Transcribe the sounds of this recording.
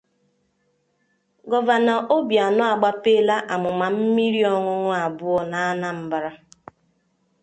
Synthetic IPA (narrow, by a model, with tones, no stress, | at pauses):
ɡɔ˨va˨na˨ʔo˦bja˨nʊ˦a˨ɡ͡ba˦pe˦˨la˦ʔa˨mʊ˨ma˨m̩˦mi˦ɾi˦ɔ˦ŋʷʊ˦ŋʷʊ˦a˨bʊ˦ɔ˦na˨a˦na˦m̩˦ba˨ɾa˦